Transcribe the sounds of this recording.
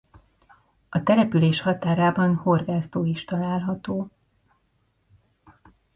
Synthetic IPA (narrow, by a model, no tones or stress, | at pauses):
ɒt̪ɛlɛpyleːʃhɒt̪aːɾaːbɒnho̞rɡaːst̪oːiʃt̪ɒlaːlɦɒt̪oː